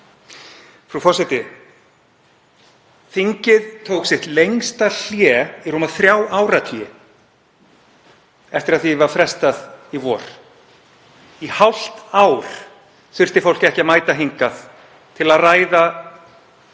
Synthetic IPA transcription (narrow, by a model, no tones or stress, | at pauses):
fɾufɔsɪt̪ɪ | θiɲcɪðt̪ʰowksɪht̪lejŋst̪al̥jɛːirumaðθɾjaːwaːwɾat̪ʰiɪ | ɛft̪ɪɾaðθivaɾ̥fɾɛst̪aðivɔːɾ̥ | ihawl̥t̪aːwɾ̥ | θɪr̥st̪ɪfowl̥cɛhcɪamaːjt̪aɦiŋkaθ | t̪ʰɪlaðraːjða